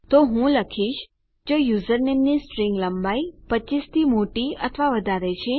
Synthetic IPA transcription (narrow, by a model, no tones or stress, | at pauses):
t̪oɦũləkʰiʃ | d͡ʒojuzəɾnemnisʈɾĩŋɡləmbaipət͡ʃist̪ʰimoʈiət̪ʰʋaʋəd̪ʱaɾet͡ʃʰe